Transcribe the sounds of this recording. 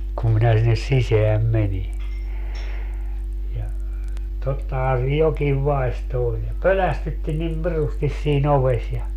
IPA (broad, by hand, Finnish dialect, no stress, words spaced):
kum minæ sinːes siseæm meni jɑ totːɑhɑː se jokiʋ ʋɑi̯sto olʲ jɑ pølæstytːi nim pirustis siːn oʋes jɑ